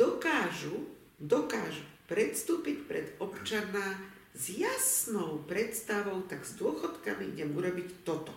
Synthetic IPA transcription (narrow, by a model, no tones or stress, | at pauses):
d̪ɔkaːʒu | d̪ɔkaːʒupɾɛt̪st̪uːpicpɾɛd̪ɔpt͡ʃana | zjasnɔʊpɾɛt̪st̪aʋɔʊt̪aɡzd̪ʊɔxɔt̪kamiiɟɛmuɾɔbict̪ɔt̪ɔ̥